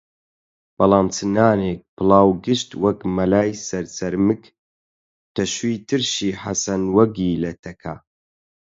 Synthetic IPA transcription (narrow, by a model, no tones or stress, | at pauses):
b̥ɐlˠaːmt͡sʰɨnaːneːk̚pʰɨlaːwɡɨʃt̪wɐkmɐlaːjsɐɾsɐɾmɨk | t̪ʰɐʃwiːt̪ʰɨɾʃiːħa̰sɐnwɐɡiːlɐt̪ʰɐkʰa̰